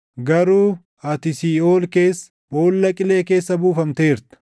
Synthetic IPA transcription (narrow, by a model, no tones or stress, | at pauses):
ɡɐɾuː | ɐt̪ɪsiːoːlke̞ːsː | boːlːɐkʼɪle̞ːke̞ːsːɐbuːfɐmt̪e̞ːɾt̪ɐ̥